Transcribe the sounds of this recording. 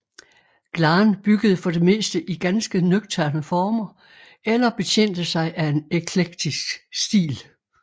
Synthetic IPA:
ɡ̥lɑ̈ːnb̥yɡ̥əð̞̩ˠəfɒ̽d̥e̝me̝̰ːsd̥əʔiɡ̥ænsɡ̥ənøɡ̥t͡sʰæɐnəfɒːmɐ | elɐb̥e̝t͡sʰen̰d̥əsɑ̈ɪʔæe̝nekʰleɡ̥̚d̥isɡ̥sd̥ḭːl

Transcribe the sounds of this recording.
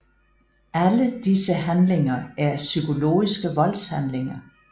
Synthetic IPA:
ʔæləd̥isəɦænle̝ŋɐæɐsykʰo̝lo̝̰ːisɡ̥əʋɒ̽lshænleŋɐ

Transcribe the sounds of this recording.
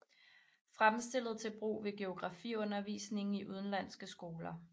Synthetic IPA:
fʁamsd̥e̝l̰ð̞̩ˠt͡sʰe̝lb̥ʁṵːʋe̝ɡ̥e̝o̝ɡ̥ʁɑ̈fḭɔ̽nɐʋḭːsne̝ŋŋ̩iʔuð̞ˠn̩læn̰sɡ̥əsɡ̥o̝ːlɐ

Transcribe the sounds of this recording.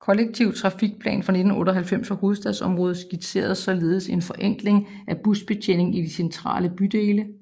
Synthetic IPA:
kʰɒ̽leɡ̥̚t͡sʰiʊ̰t͡sʰʁɑ̈fiɡ̥̚pʰlɛ̰ːnfʁɑ̈ne̝d̥n̩ɔ̰̽ːɾɒɦælfem̰sɒho̝ːð̞̩ˠsd̥ɛðˠsɒ̽mʁɔ̽ːð̩ˠsɡ̥id̥sʰe̝̰ːɐð̩ˠsɒ̽le̝ːð̞̩ˠəse̝nfɒ̽ʔeŋ̰ɡ̥le̝ŋ | ʔæb̥usb̥e̝t͡ɕʰen̰e̝ŋid̥isent͡sʰʁɑ̰̈ːləb̥yd̥e̝ːlə

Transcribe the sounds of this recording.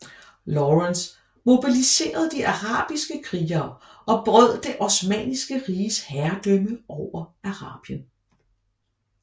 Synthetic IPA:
lɒʁens | mo̝b̥ilise̝̰ːɐð̞̩ˠd̥iʔɑ̈ʁɑ̰̈ːb̥isɡ̥əkʰʁiːɐːʔɒ̽b̥ʁœð̞̰ˠd̥e̝ʔɒsmɛ̰nisɡ̥əʁiːəshæɐd̥œməʔɒʊ̰ɐʔɑ̈ʁɑ̰̈ːb̥jən

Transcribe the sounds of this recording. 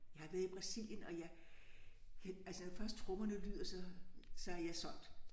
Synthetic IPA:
jɑ̈hɑ̈ʋæːɐðˠib̥ʁɑ̈sil̰jənɒ̽jɑɪ | kʰælsənfɶɐsd̥̚t͡sʰʁɔmɐnəlyð̰ˠɐsɒ̽sɒ̽æɐjɑ̈ɪsɒ̽n̰d̥

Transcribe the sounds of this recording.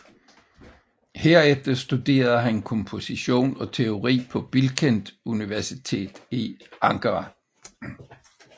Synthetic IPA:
heɐ̰efd̥ɐsd̥ud̥e̝̰ːɐð̞̩ˠɦænkʰɒmpʰo̝siɕo̝̰ːnɒ̽t͡sʰe̝o̝ʁḭːpʰɒ̽b̥ilkʰend̥uniʋæɐsit͡sʰe̝̰ːd̥iɑ̈ŋkʰɐʁɑ

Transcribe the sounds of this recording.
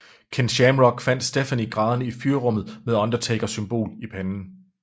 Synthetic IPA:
kʰenɕæmʁɒɡ̥fæn̰d̥sd̥efæniɡ̥ʁɑ̈ːðˠɐnəifyːɐʁɔ̽m̰ð̩ˠmeðˠɒ̽nd̥ɐt͡sʰeɡ̥ɐsymb̥o̝̰ːlipʰænn̩

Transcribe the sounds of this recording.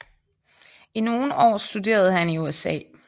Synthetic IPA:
ino̝ːn̩ɒ̰ːsd̥ud̥e̝̰ːɐð̞̩ˠhæniuesɛ̰ː

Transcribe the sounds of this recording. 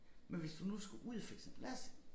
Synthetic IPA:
menʋe̝sd̥unusɡ̥uʔuð̞ˠfeɡ̥sənlæs

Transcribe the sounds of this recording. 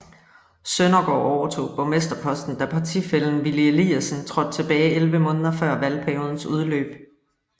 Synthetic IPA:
sønɐɡ̥ɒ̰ːɒʊɐt͡sʰo̝̰ːpʰɒmesd̥ɐpʰɒ̽sd̥n̩d̥æpʰɑ̈t͡sʰḭfel̰n̩ʋilieliæsən̩t͡sʰʁɒ̽d̥̚t͡sʰe̝b̥ɛːɪʔelʋəmɔ̽ːnð̞ˠɐfɶɐ̰ʋælpʰæɐjo̝ːð̞ˠn̩suð̞ˠlø̰ːb̥

